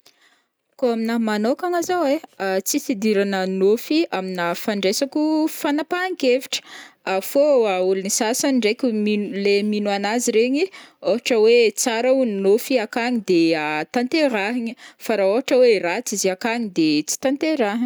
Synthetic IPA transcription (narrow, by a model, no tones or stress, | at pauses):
koaminamanokaŋazaweat͡sisid̪iɾanənofiaminafaɳɖ͡ʐesakʲufanapaaŋkeviʈ͡ʂə̥afoaulinisasanɖ͡ʐekʲuminleminuanaziɾeɲioɦaʈ͡ʂəwet͡saɾaunnofiakaɲid̪eat̪ant̪eɾaɦiɲəfaɾaoɦaʈ͡ʂəwerat͡siziakaɲid̪et͡si̥t̪ant̪eɾaɦ